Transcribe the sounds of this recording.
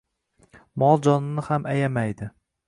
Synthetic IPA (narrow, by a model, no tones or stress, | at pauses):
mɒlˠd͡ʒɒnɪnɪhamʔajamajd̪ɪ